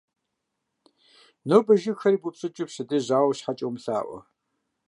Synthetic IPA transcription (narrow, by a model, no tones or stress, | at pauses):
noːbɐʒɪxɐɾiːbupsʼɨt͡ʃʼɪpɕɪdɨʑaːwɕħat͡ʃʼowmɬa̰ːʔʷɔ̰